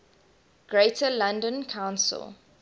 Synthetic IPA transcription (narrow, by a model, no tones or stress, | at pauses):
ɡ̥ɹetʰəlãndə̃nkʰãʊ̃nsə̰lˠ